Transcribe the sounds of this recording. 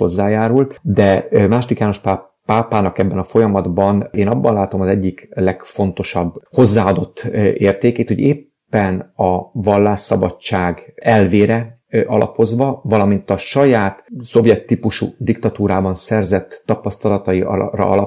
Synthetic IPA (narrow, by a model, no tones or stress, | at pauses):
o̞zːaːjaːɾult̪d̪ɛmaːʃod̪ikjaːno̞ʃpa | paːpaːnɒkɛbːɛnɒfo̞jɒmɒd̪bɒneːnɒbːɒnlaːt̪o̞mɒzɛɟːiklɛɡfo̞nt̪o̞ʃɒbːho̞zːaːɒd̪o̞t̪ːeːrt̪eːkeːt̪hoɟeːpːɛnɒvɒlːaːʃsɒbɒ̰t͡ʃːaːɡɛlveːɾɛ | ʔɒ̰lʔɒ̰po̞zʋɒvɒlɒmint̪ɒʃɒjaːt̪so̞bjɛt̪ːiːpuʃṵd̪ikt̪ɒt̪uːɾaːbɒnsɛrzɛt̪ːɒpɒst̪ɒlɒt̪ɒiɒ̰rɒ̰ɒlɒ